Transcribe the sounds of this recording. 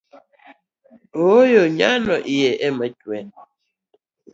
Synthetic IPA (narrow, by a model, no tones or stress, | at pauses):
ojoɲanɔʔijɛɛmətwɛn